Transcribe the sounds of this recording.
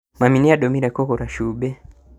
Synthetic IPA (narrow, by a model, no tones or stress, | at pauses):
maminiaɗɔmiɾɛkɔkɔɾaʃuɓɛ